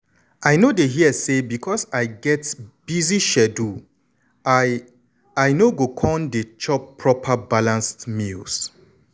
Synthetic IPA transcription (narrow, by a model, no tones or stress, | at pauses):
ajnodeɦiəsebikʰɔsaɪɡɛtb̥iziʃɛdu | ajnoɡokʰɔ̃ndet͡ʃɔpʰːɹɔpʰabalãnstmils